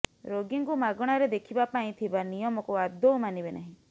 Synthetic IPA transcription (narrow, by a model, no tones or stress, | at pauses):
ɾoɡiŋkumaɡɔɽ̃aɾed̪ekʰibapaĩt̪ʰibanijɔmɔkuad̪ʱɔwmanibenʔaɦĩ